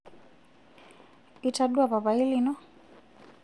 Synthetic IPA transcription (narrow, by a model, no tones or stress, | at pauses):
itaɗuaβaβailinɔ